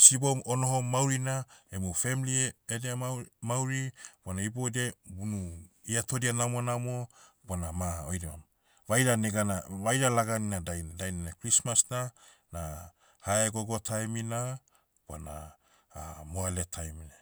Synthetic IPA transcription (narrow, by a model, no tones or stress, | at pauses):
siboono̞ɦo̞mawɾinaemufe̞milieedeamawɾibanaiboedebunu | iato̞dianamonamobanamaojɾo̰m | vajɾaneɡanaβajɾalaɡaninadajnadajnanakɾismasna | na | haeɡo̞ɡo̞tʰajmina | b̥a̰na̰ | moaletʰajmina